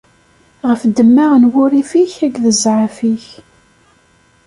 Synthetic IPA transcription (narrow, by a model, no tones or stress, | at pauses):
ʁəfd̪əmːaʁnwʊɾifiçækðəzʕəfiç